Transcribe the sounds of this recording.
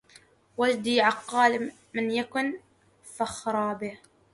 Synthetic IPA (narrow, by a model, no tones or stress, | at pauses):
wad͡ʒd̪iːʕɑqːɑːl | mɪnjakʊn | faxɾˤɑːbɪh